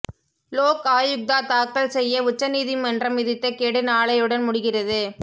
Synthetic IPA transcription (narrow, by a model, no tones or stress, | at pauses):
loːkaːjɯk̚d̪aːt̪aːkːɐɭsɛjːɐʊt͡ʃːɐniːðɪmɐndrɐmɪðɪt̪ːɐkɛɽɯnaːɭɐjɯɽɐnmʊɽɪɣɪrɐðɯ